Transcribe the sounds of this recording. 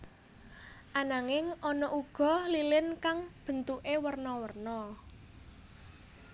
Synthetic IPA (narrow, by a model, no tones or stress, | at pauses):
ʔanaŋɪŋʔɔnɔʔuɡ̥ɔ̤lilɪnkaŋb̥ə̤nt̪uʔewərnɔwərnɔ